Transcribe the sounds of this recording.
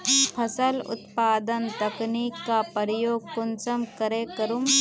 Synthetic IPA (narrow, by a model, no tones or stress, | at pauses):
pʰɐsəlʊ̰t̪paːd̪ənt̪ɐkniːkːapəɾɪjoːɡ̚kʊnsəmkɐɾekəɾum